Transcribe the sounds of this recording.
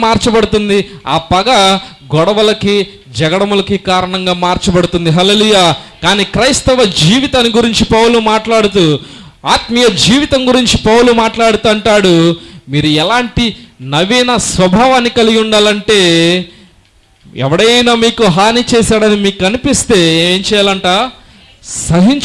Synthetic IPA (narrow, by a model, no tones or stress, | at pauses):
maːɾt͡ʃɐpɐɽut̪und̪iaːpɐɡɐ | ɡɔɽɐʋɐlɐki | d͡ʒɛɡɐɽɐmulɐkikaːɾɐɳɐŋɡaːmaːɾt͡ʃupɐɽut̪und̪iɦɐleːluːjaːkaːniːkɾɐjst̪ɐʋɐd͡ʒiːʋit̪aːniɡuɾiɲt͡ʃipɐwulumaːʈlaːɽut̪uː | aːt̪mɐjɐd͡ʒiːʋit̪ɐŋɡuɾiɲt͡ʃipɐwulumaːʈlaːɽut̪uɐɳʈaːɽumiːɾuɛlaːɳʈinɐʋijnɐsʋɐbʱaːʋaːnːikɐliɡuɳɖaːlɐɳʈe̞ː | ɛ̰ʋɐɽɐjɐjnaːmiːkuɦaːnit͡ʃɛːsaːɽɐnimiːkuɐnipist̪e̞ːɲt͡ʃɛːjaːlɐɳʈaː | sɐɦiɲt͡ʃ